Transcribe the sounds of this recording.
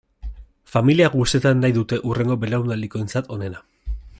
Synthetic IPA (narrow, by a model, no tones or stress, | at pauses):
familiaɣust̪e̞t̪anːajðut̪e̞ʔure̞ŋɡo̞be̞lawnd̪ald̪iko̞e̞nt͡sat̪o̞ne̞na